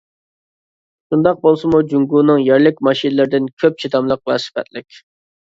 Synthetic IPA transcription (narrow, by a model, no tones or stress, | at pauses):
ʃund̪ɑq̚bolˠsɨmud͡ʒuŋɡuːnɨŋjæɾlɪkʲmɑʃinɨlɪɾɪd̪ɪnkʲʰøp̚t͡ʃʰit̪ʰɑmlˠəq̚væ̰sɨ̥fɛ̰t̪lɪkʲ